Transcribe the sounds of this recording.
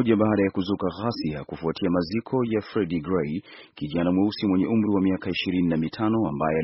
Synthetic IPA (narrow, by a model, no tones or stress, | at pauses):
ʄaɓaːɗajakuzukaɣasiakufuatʰiamazikʰɔjafɾɛɗiɡɾɛjkiʄanamwɛusimwɛɲɛʔum̩ɾiwamiakaiʃiɾininamitʰanɔambajɔa